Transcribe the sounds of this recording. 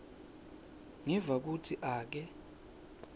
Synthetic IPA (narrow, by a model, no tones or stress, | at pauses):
ŋivak̬utʰiʔaːk̬ɛ